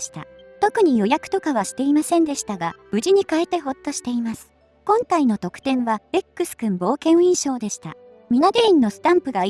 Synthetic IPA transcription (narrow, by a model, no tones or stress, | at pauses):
ɕi̥t̪a̰t̪o̞kɯ̟ɲ̟ijo̞jakɯ̟̥t̪o̞kaβ̞aɕi̥t̪e̞imasẽ̞nd̪e̞ɕi̥t̪aɡab̥ɯ̟ʑiɲ̟ikaet̪e̞ɦo̞t̪ːo̞ɕi̥t̪e̞imasɨ̥ | kõ̞ŋkaino̞t̪o̞kɯ̟̥t̪ẽ̞ɰ̃βabe̞kːɯ̟sɨ̥kɯ̟̃mbo̞ːkẽ̞ɰ̃ĩɰ̃ɕo̞ːd̪e̞ɕi̥t̪a | mʲinad̪e̞ĩnːo̞sɨ̥t̪ãmpɯ̟ɡa